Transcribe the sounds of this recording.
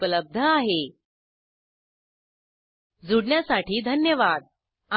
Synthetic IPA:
pələb̚d̪ʱəaɦe | d͡zuɽɳjasaʈiːd̪ʱənjəʋad̪̚ | a

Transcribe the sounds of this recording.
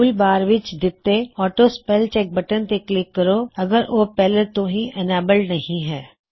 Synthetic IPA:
uːlbaːɾʋɪt͡ʃd̪ɪt̪eɔːʈospɛːlt͡ʃɛːk̚bɐʈənt̪eklɪkːɐɾoːɐɡəɾʔoːpɛɦlet̪oɦĩʔɛnɛːbəlnɐɦĩɦɛː

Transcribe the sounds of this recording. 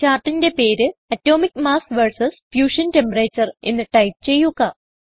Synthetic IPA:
t͡ɕaːrʈːinde̞pe̞ːɾɨɐtːo̞ːmikːmaːsʋɐrsɐsfjuːʂɐnte̞mpɐret͡ɕːɐre̞̰nːɨʈɐjp̚t͡ɕe̞jːuɣɐ

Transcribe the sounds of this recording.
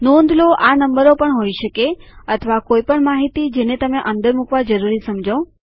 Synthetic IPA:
nõnd̪ʱloʔanəmbəɾopəɳɦoiʃəkeət̪ʰəʋakoipəɳmaɦit̪id͡ʒenet̪əmeʔənd̪əɾmukʋad͡ʒəɾuɾisəmd͡ʒʱə

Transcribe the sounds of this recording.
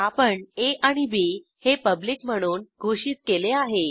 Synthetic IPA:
apəɳeʔaɽ̃ibe | hepəbliːkm̤əɽ̃uːnɡʱoʂiːt̪keleaɦe

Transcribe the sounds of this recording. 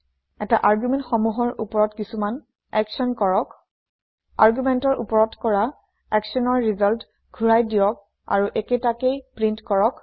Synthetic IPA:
ɛtaʔaɹɡjumɛntxɔmuɦɔɹupɔɹɔtkisuman | ɛksɔnkɔɹɔk | aɹɡumɛntɔɹʔṵpɔɹɔtkɔɹa | ɛksɔnɔɹːizɔlt | ɡʱuɹajdiɔk̚ | a̰ɹuʔeketakejpɹintkɔɹɔk

